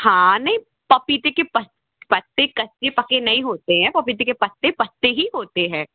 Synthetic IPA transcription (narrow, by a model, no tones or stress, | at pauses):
hãːnɐɦĩ | pɐpit̪ekepɐt | pɐt̪ːekɐt̪ːepɐkenɐɦĩɦoːt̪eɦɛ̃ːpɐpiːt̪̬ekepɐt̪ːepɐt̪ːeɦiɦoːt̪eɦɛ̃ː